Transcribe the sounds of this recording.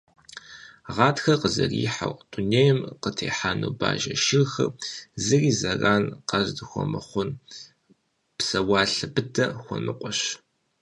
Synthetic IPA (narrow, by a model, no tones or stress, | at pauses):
ʁɑːtxɐqəzɐriːħa̰wtʼʊneːjɛmqətʰeːħaːnuːba̰ːʒɐʃɪrxɐrzɨriːzɐraːnqɐzdɨxʷɔmɐχʷʊn | psɐwɑːɬɨbɨtʰɐxʷɔnɨqʷʼɔɕ